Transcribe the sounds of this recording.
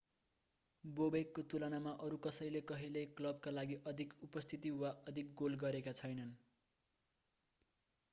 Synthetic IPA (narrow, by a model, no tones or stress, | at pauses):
bobekːot̪ulʌnamaʔʌɾukʌsʌjlekʌɦileklʌbkalaɡiʔʌd̪ʱikupʌst̪ʰit̪iwaʔʌd̪ʱik̚ɡolɡʌɾekat͡sʰʌjnʌn